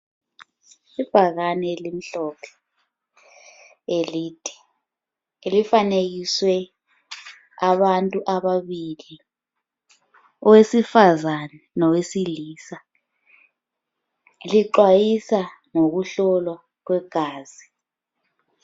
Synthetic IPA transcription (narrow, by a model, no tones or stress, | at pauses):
ib̥ʱak̬anɛlim̩ɬɔpʰɛ̥ | eliːtʼi̥ | elifanek̬iswɛ | aɓantʼuʔaɓaɓili | ɔwesifazanɛnɔwesiliːsa | liǃwajisa | nok̬uɬɔlwa | k̬wɛɡ̥ʱaːzi